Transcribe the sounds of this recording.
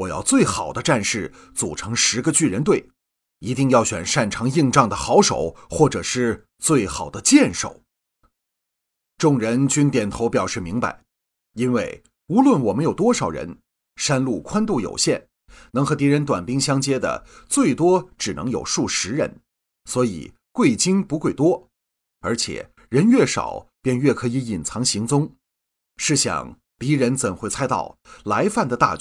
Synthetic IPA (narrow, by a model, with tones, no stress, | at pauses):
wɔ˨˩jɑ̰˥˧ʊt͡swe˥˩ɪxɑ˨˩ʊd̪ə˦ʈ͡ʂa˥˧nʂɻ̩˥˩ | t͡su˨˩ʈ͡ʂʰɤ˧˥ŋʂɻ̩˧˥ɡə˧t͡ɕy˥˩ɻə˧˥nt̪we˥˩ɪ | i˧˥t̪i˥˧ŋjɑ˥˩ʊɕɥɛ̰˨˩nʂa˥˩nʈ͡ʂʰɑ˧˥ŋi˥˧ŋʈ͡ʂɑ˥˩ŋd̪ə˩xɑ˧˥ʊʂo̰˨˩ʊxwɔ˥˩ʈ͡ʂɤ˨˩ʂɻ̩˥˧ | t͡swe˥˩ɪxɑ˨˩ʊd̪ə˦t͡ɕjɛ˥˧nʂo̰˨˩ʊ | ʈ͡ʂʊ˥˩ŋɻə˧˥nt͡ɕy˥nt̪jɛ˨˩nt̪ʰo˧˥ʊpjɑ˨˩ʊʂɻ̩˥˩mi˧˥ŋpa̰˧ɪ | i˥nwe˥˩ɪ | u˧˥lwə˥˩nwɔ˨˩mə˦njo˨˩ʊt̪wɔ˥ʂɑ˨˩ʊɻə̰˧˥n | ʂa˥nlu˥˩kʰwa˥nt̪u˥˩jo̰˨˩ʊɕjɛ˥˩n | nɤ˧˥ŋxɤ˧˥t̪i˧˥ɻə˧˥nt̪̬wa˨˩npi˥ŋɕjɑ˥ŋt͡ɕjɛ˥d̪ə̰˨t͡swe˥˩ɪt̪wɔ˥ʈ͡ʂɻ̩˨˩nɤ˧˥ŋjo̰˨˩ʊʂu˥˩ʂɻ̩˧˥ɻə̰˧˥n | swɔ˧˥ḭ˨˩ | kwe˥˩ɪt͡ɕi˥ŋpu˧˥kwe˥˩ɪt̪wɔ˥ | ə˞˧˥t͡ɕʰjɛ̰˨˩ | ɻə˧˥nɥɛ˥˩ʂɑ̰˨˩ʊpjɛ˥˧nɥɛ˥˩kʰɤ˧˥i˧˥i˨˩nt͡sʰɑ˧˥ŋɕi˧˥ŋt͡sʊ˥ŋ | ʂɻ̩˥˧ɕjɑ̰˨˩ŋ | p̪i˧˥ɻə˧˥nt͡sə˨˩nxwe˥˩ɪt͡sʰa˥ɪt̪ɑ̰˥˩ʊla˧˥ɪfa˥˩nd̪ə˩t̪a̰˥˩